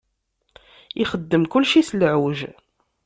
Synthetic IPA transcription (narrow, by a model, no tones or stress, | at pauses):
iχəd̪ːəmkʊlʃislʕuʒ